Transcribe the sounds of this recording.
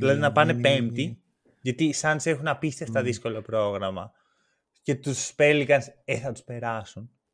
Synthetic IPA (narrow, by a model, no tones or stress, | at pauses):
ðilɐðinɐpɐne̞pe̞mt̪i | ʝɐt̪isɐnd̪se̞xunɐpist̪eft̪ɐðisko̞lo̞pɾo̞ɣɾɐmɐ̰ | ce̞t̪uspelikɐnseθɐt̪u̥spe̞ɾɐsun